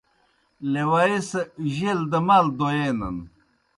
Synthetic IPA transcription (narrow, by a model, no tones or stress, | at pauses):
lewaiseʑeld̪ɐmald̪ojenɐ̰n